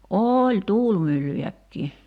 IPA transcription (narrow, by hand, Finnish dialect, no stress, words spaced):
oːlʲ tuːlmylːyjækːiː